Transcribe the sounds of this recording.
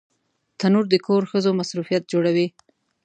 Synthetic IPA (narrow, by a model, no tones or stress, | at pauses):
t̪anuɾd̪əkʰoɾxəzomasɾufijat̪̚d͡ʒoɽawi